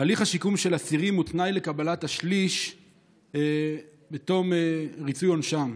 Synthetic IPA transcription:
aliχaʃikumʃe̞lasiʁimutnajlekabalataʃliʃ | bet̪o̞meʁit͡sujonʃam

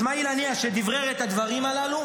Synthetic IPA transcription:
mailaniaʃed̪ivʁeʁet̪ad̪vaʁimalalu

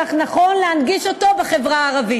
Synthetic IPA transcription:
aχnaχo̞nlehanɡiʃo̞to̞beχe̞vʁaːʁavi

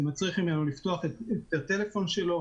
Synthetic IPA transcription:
mat͡sʁiχimenulift̪o̞aχetet̪at̪e̞le̞fo̞nʃe̞lo̞

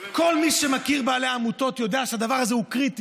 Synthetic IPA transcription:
ko̞lmiʃemakiʁbaːleaːmuto̞t̪jo̞d̪eaʃehadavaʁazeukʁiti

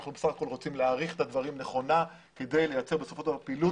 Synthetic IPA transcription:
aχnubesaχako̞lʁo̞t͡simleaːʁiχet̪ad̪vaʁimneχo̞na | ke̞d̪e̞jlejat͡se̞ʁbe̞so̞fo̞ʃapilu

